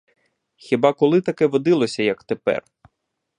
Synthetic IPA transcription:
xʲibɑkɔlˠɪt̪ɐkɛʋɔd̪ɪlˠɔsʲɐjɐkt̪epɛ̰r

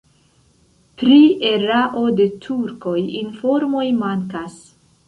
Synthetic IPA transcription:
pɾie̞ɾaʔo̞de̞tʰuɾko̞jinfo̞ɾmo̞jmaŋkas

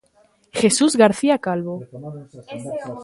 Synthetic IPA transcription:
xe̞suzɣaɾθiakalβo

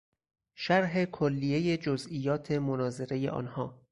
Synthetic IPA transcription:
ʃæɾɦe̞kʰolːije̞je̞d͡ʒozijɒːt̪ʰe̞monɒːze̞ɾe̞jḛʔɒ̰ːnhɒː

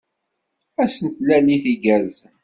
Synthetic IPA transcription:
æsənt̪læniθiɡæz

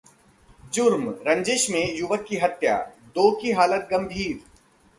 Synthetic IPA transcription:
d͡ʒʊɾmɾɐ̃ɲd͡ʒeʃmẽjʊʋəkːiɦɐt̪ja̰ːd̪oːkiɦaːlət̪̚ɡɐ̃mbʱiːɾ

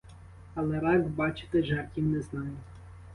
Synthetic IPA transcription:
ɐlˠɛɾɑɡbɑt͡ʃɪ̥t̪ɪʒɑrkʲiwnɛznɑjʊ

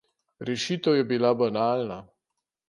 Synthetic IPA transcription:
ɾɛʃiːt̪əwjɛbilabanaːlna

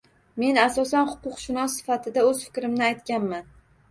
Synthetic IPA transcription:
me̞nasɒsanhʊ̥qʊqʃɪnɒsːɪ̥fat̪ʰɪd̪aɵz̥fɪ̥kʲɾɪmnɪajt̪kʲanman

